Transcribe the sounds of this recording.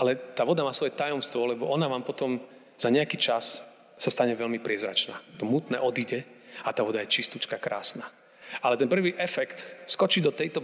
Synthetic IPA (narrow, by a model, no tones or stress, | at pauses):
ʔalɛt̪aːʋɔd̪amaːsʋɔjɛt̪ajɔmst̪ʋɔlɛbɔʔɔnaʋaːmpɔt̪ɔm | z̥aɲɛakiːt͡ʃas | sast̪aɲɛʋɛlmipɾɪɛzɾa̰t͡ʃnaːt̪ɔmuːt̪nɛːʔɔd̪iɟɛat̪aːʋɔd̪ajɛt͡ʃist̪ut͡ʃkakɾʔa̰ːsnaː | alɛt̪ɛnpr̩ʋiːʔɛfɛkt̪skɔt͡ʃid̪ɔt̪ɛjt̪ɔ